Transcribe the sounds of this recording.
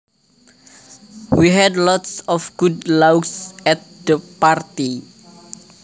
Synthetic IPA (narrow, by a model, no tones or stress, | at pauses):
wiɦɛdlɔt̪sɔfɡ̥udlawɡsɛt̪̚d̪̥əpart̪i